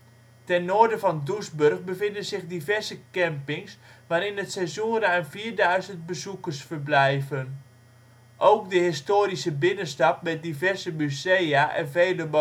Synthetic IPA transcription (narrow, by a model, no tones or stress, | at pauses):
tɛnːoːdəvɔndusbørxbəvɪndənzɪxdivɛɹzəkɛmpɪŋsʋaːɾɪnətsɛzuəɾəanviːrdœɥzənt̚bəzukərsfərblɛjvən | ʔowkdəɦɪstoːɾisəbɪnəstɑp̚mɛt̚divɛrzəmyzejaʔɛ̰nvejləb